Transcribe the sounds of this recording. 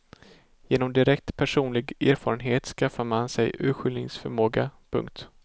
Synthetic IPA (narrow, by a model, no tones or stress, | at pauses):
jeːnɔmd̪ɪɾɛk̚t̪pʰæʂuːnlɪɡeːɾfɑːɾənɦeːt̪skafːaɾmansɛjʔʉ̟ːɧʏlnɪŋsfœɾmoːɡapʰɵ̰ŋk̚t̪